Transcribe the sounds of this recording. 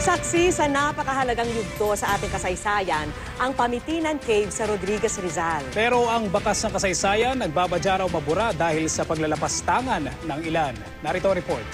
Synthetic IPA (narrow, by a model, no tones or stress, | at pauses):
sɐk̚sisɐnapɐkɐɦɐlɐɡaŋlʊɡ̚t̪o̞sɐʔaːt̪ɪŋkɐsɐjsaːjɐn | ʔɐŋpɐmɪt̪iːnɐŋkejvsɐɾod̪ɾiːɡɛsɾɪzalpɛɾo̞ʔɐŋbɐkasnɐŋkɐsɐjsaːjɐnːɐɡ̚baːbɐd͡ʒaːɾɐwmɐbʊɾad̪aːhɪlsɐpɐɡlɐlɐpɐst̪aːŋɐnːɐŋɪlanːɐɾit̪oɾɛpoɹt̪